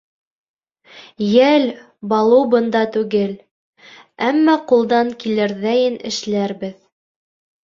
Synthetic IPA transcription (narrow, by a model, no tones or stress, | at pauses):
jæl | bɑlˠɤwbɤ̆nd̪ɑt̪ʉɡɘl | æmːɑqulˠd̪ɑŋkilæɾðæjɘnɘ̰̆ʃlæɾbɘð